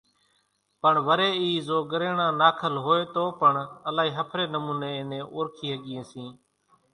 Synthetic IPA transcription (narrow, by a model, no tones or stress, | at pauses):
pəɳʋəɾeːiːzoːɡəɾeːɳãːnaːkʰəlɦoːeːt̪oːpəɳəlaːɦiːɦəpʰɾeːnəmũːneːɪnẽːʔoːɾkʰiːɦəɠɪjẽːsĩː